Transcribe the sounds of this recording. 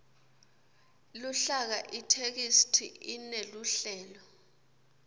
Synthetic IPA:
luɬak̬aʔitʰek̬istʰḭineluɬɛːlɔ

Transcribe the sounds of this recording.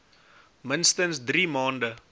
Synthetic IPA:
mənst̪ənsd̪ɾiːmɑ̃ːndə

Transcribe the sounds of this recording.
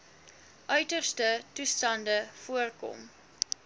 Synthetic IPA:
ʔœɥtərstətustɐndəfuərkɔ̰m

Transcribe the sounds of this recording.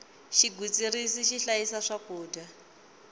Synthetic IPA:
ʃiɡut͡sʼirisiʃiɬajisaʂakuːda

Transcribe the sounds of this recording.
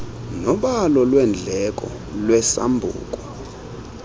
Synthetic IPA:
nɔɓalɔlwɛnd͡ɮʱɛkʼɔ̰ | lwɛsa̰mbʱṵːkʼɔ

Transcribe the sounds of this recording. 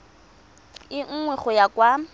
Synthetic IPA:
ɪŋ̩ŋwɛχʊjakwa

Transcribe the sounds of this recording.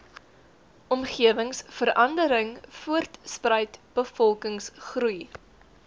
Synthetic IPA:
ʔɔmχiəvəŋsfəɾɐndəɾəŋfuərtsprəjtb̥əfɔlˠkəŋsχruj

